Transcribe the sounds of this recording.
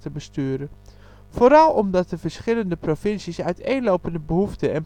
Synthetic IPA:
təbəstyːəɾə | foɾɑlˠɔmdɑt̚dəvəɹsχɪləndəprofɪnsisœɥtejnlowpəndəbəhuftəɛn

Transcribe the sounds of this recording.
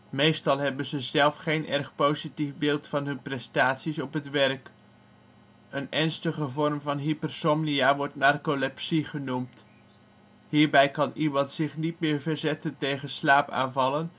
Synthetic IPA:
mejstɑlˠɦɛbənzəzɛlˠfχejnʔɛrχpowzitifbɪːlˠtfɑnɦɵnprɛstaːtsisɔpɦətʋɛrk | ənɛɹnstəχəvɔrmvɑnɦipərsɔmnijaːʋɔɹtnarkolɛpsiχənumt | ɦiːɹbɛjkɑnimɑntsɪχnitmɪːɹvəɹzɛtəntejχənslaːpa̰ːnvɑlən

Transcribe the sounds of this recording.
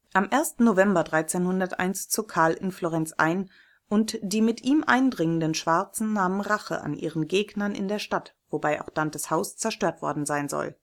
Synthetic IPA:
ʔamʔeːɐstn̩nːovɛmbɐdʁaɪt͡seːnhʊndɐtʔa̰ɪnst͡suɐkʰaɐlʔɪ̰nfloːʁɛnt͡sʔa̰ɪn | ʔʊntd̥iːmɪtʔiːmʔa̰ɪndʁɪŋəndənʃv̥aɐt͡sn̩naːmənʁaχə̰ʔa̰nʔḭːʁənɡeːɡnɐnʔɪ̰ndeːɐʃtatv̥obaɪʔa̰ʊxd̥andɐshaʊst͡sɛɐʃtøːɐtv̥ɔ̰ɐdn̩zaɪnzɔ̰l

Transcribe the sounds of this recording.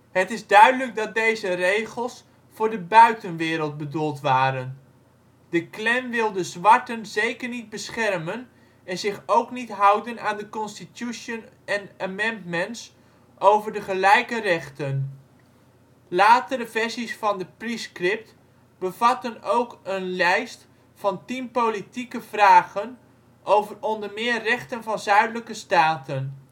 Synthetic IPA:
hətɪzdœɥdələk̚dɑt̚dejzərejχəlˠs | fʊːɹdəbœɥtənʋɪːɾəlˠt̚bədulˠtʋaːɾən | dəklɛnʋɪlˠdəzʋɑɹtənzejkəɹnid̚bəsχɛrmən | ɛnzɪχowknitɦɑwdənaːndəkɔnstitjuʃən | ɛnəmɛndmənts | ʔowvəɹdəχəlɛjkərɛχtən | laːtəɾəvɛɹsisfɑndəpriskrɪp̚t | b̥əv̥ɑtənowkənlɛjst | fɑntimpolitikəv̥raːχən | ʔowvərɔndəɹmɪːrːɛχtənvɑnzœɥdələkəstaːtən

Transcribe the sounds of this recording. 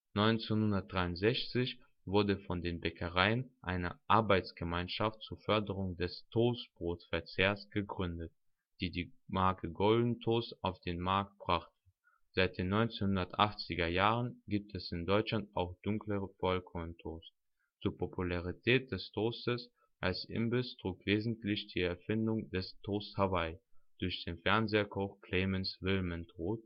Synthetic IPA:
nɔʏnt͡senhʊndɐt̚d̥ʁaɪʊntz̥ɛçt͡sɪç | vʊɐdəfɔndeːnbɛkʰəʁaɪənʔaɪnəʔaɐbaɪt͡sɡ̥əmaɪnʃaftt͡suːɐfœɐdəʁʊŋdɛstʰoːsb̥ʁoːtfɛɐt͡seːɐsɡ̥əɡʁʏndət̚ | d̥iːdiːmaɐkʰəɡɔldn̩tʰoːsaʊfd̥eːnmaɐk̚t̚b̥ʁaχtə | z̥aɪt̚d̥eːnːɔʏnt͡senhʊndɐtʔaχt͡sɪɡɐjaːʁənɡiːp̚tʰɛsɪndɔʏt͡ʃlantaʊxd̥ʊŋkləfɔlkʰɔntʰoːs | t͡suːɐpʰopʰulaʁ̞itʰɛːt̚d̥ɛstʰoːstəs | ʔalsʔɪ̰mbɪstʁ̥uːkv̥eːzn̩tlɪçd̥iːɛɐfɪndʊŋdɛstʰoːsthavaɪd̥ʊɐçd̥eːnfɛɐnzeːɐkʰɔxkʰl̥eːmɛnsvɪlmɛntʁoːt

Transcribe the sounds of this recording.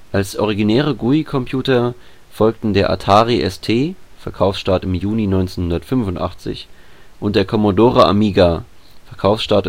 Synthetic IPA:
ʔalsʔɔʁ̞iɡinɛːʁ̞əɡuikʰɔmpʰjuːtɐ | fɔlk̚tn̩deːɐʔa̰tʰaːʁiʔɛstʰeːfɛɐkʰaʊfsʃtaɐtɪmjuːninɔʏnt͡seːnhʊndɐtfʏnvʊntʔa̰χt͡sɪ̰çʔʊnt̚d̥eːɐkʰɔmodoːʁaʔa̰miːɡa | fɛɐkʰaʊfsʃtaɐt

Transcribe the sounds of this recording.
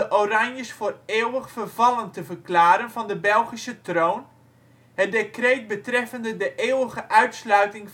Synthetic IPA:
əʔorɑnjəsfoːreːwəχfərv̥ɑləntəvərklaːɾənvɑndəbɛlˠχisətrown | ɦət̚dekrejt̚bətrɛfəndədəʔeːwəχəʔœɥtslœɥtɪŋ

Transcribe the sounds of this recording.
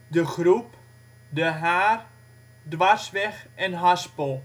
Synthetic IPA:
dəχrup | dəɦaːr | dʋasʋɛxɛnɦaspəlˠ

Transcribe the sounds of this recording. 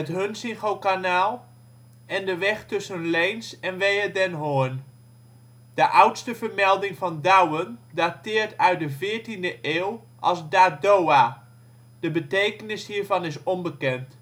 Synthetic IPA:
ətɦønsɪŋχowkanaːlˠ | ɛndəʋɛχtɵsənlejnsɛnʋejədɛnɦoən | d̥əʔʌwtstəvəɹmɛlˠdɪŋvɑndawəndatɪːɹtʰœɥt̚dəvɪːɹtindəʔeːw | ʔɑ̰lˠzdaːdowa | d̥əbətejkənɪshiːɹvɑnɪsɔnbəkɛnt

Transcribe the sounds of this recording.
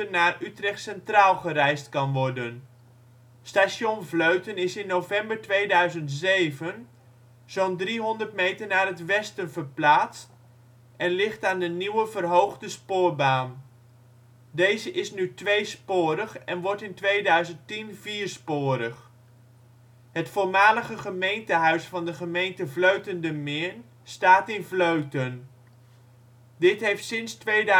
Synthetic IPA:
ənaːrytrɛχtsɛntraːlˠχərɛjstkɑnʋɔrdən | staːsjonvløɥtənɪsɪnːovɛmbəɹtʋejdœɥzəntzejvən | z̥ondriɦɔndərtmejtərnaːɾɦətʋɛstənvərplaːt͡st | ʔɛnlɪχtaːndəniwəvərɦowχdəspʊːɹbaːn | dejzəʔɪsnytʋejspʊːɾəχɛnʋɔɹtɪntʋejdœɥzəntinviːɹspʊːɾəχ | ɦətfʊːɹmaːləχəχəmejntəɦœɥsfɑndəχəmejntəvløɥtəndəmɪːn | staːtɪnvløɥtən | dɪtɦejftsɪnstʋe

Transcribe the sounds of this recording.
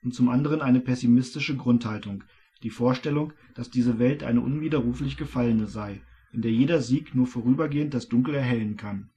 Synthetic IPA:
ʔʊntt͡sʊmʔandəʁ̞ənʔaɪnəpʰɛsimɪstɪʃəɡʁʊnthaltʊŋ | d̥iːfoːɐʃtɛlʊŋ | d̥asd̥iːzəvɛltʔa̰ɪnəʔʊnviːdɐʁuːflɪçɡ̥əfalənəzaɪ | ʔɪndeːɐjeːdɐziːknuːɐfoːʁyːbɐɡeːənt̚d̥asd̥ʊŋkl̩ɛɐɦɛlənkʰan

